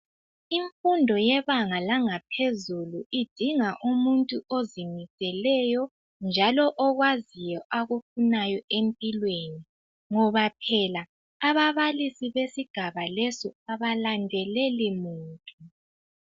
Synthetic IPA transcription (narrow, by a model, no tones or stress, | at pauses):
iɱfundʱɔjɛβaŋalaŋapʰezuluʔid̥ʱiŋaʔumuntʼuʔozimisʼɛlɛjɔ | nd͡ʒʱalɔʔɔɣwazijɔʔaɣufunajɔʔempʼilweni | ŋɔβapʰɛlaː | βaβalisiβesiɡ̥ʱaβalɛsɔaβalandʱɛlɛlimuːntʼu